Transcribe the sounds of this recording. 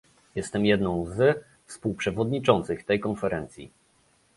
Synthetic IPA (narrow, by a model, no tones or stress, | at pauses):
jɛst̪ɛmjɛd̪nɔ̃w̃z | fspuwpʂɛvɔd̪ɲit͡ʂɔnt̪sɘxt̪ɛjkɔnfɛɾɛnt̪sʲjḭ